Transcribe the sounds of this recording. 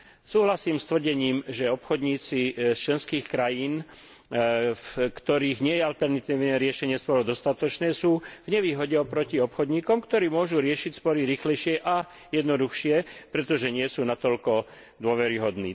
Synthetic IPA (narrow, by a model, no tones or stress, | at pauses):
suːɦlasiːmst̪ʋr̩ɟɛɲiːmʒɛɔpxɔd̪ɲiːt͡sist͡ʃlɛnskiːxkɾajiːn | fkt̪ɔɾiːɣɲɪɛjɛalt̪ɛɾnat̪iːʋnɛːɾɪɛʃɛɲɪɛsp̪ɔɾɔd̪ɔst̪at̪ɔt͡ʃnɛːsuːvɲɛʋiːɦɔɟɛɔpɾɔciɔpxɔd̪ɲiːkɔmkt̪ɔɾiːmʊɔʒuɾɪɛʃicspɔɾiɾiːxlɛjʃɪɛʔa | jɛd̪nɔd̪uxʃɪɛpɾɛt̪ɔʒɛɲɪɛsuːnat̪ɔlkɔ | d̪ʊɔʋɛɾiɦɔd̪nḭː